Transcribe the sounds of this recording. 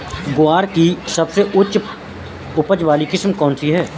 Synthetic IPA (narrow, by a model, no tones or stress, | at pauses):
ɡʊaːɾkisɐbseʔʊt͡ʃ | ʊpəd͡ʒʋaːlikɪsmkɔ̃ːnsiɦɛː